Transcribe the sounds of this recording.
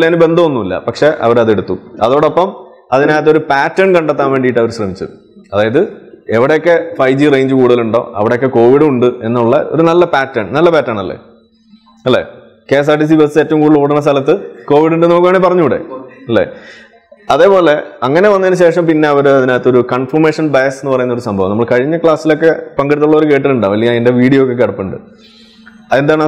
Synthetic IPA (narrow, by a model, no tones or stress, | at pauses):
leːnɨbe̞nd̪ʱɐmonːumilːɐ̰pɐkʂe̞ʔɐ̰ʋɐɾɐðe̞ɽut̪ːuɐðo̞ːɽopːɐm | ɐðinaːjt̪ːɐo̞ɾupaːtːɐɳkɐɳɖet̪ːaːnʋe̞ːɳɖijiʈːɐʋɐɾɕrɐmit͡ɕːṵɨ | ɐðaːjɐðɨeʋiɽejokːe̞fɐjd͡ʑirejɲd͡ʑɨkuːɽuðɐluɳɖo̞̰ːʔɐ̰ʋiɽejokːeko̞ːʋiɽuɳɖɨe̞nːuɭːɐo̞̰ɾunɐlːɐpaːtːɐɳnɐlːɐpaːtːaːɳɐlːḛ | ɐlːe̞̰ː | ke̞ːs̬aːʈːis̬ibɐseːtːɐʋumkuːɽiɭːɽɐɳːɐst̪ɐlɐt̪̬ːɨko̞ːʋiɽuɳɖeno̞ːkːuʋaːɳipɐrɐɲːuɽḛɐlːḛː | ɐðe̞ːpo̞ːle̞ɐŋːɐne̞ʋɐnːɐðinɨɕe̞ːʂɐmpinːe̞ɐʋɐɾɨɐðinaːjt̪ːo̞ɾukɐɳfɐrmeːʂɐnbɐjɐsenːɨpɐrɐjunːɐoɾusɐmbʱɐʋɐ̰mnɐmːɐɭkɐɻiɲːɐkɭaːsːilo̞kːe̞pɐŋɡɐɽt̪ːuɭːðoɾuke̞ːʈ̬ːiluɳɖaːʋɐlːijɐende̞ʋiːɽijɐokːekːɐɽɐpːɨɳɖɨ̰ | ɐend̪aːɳ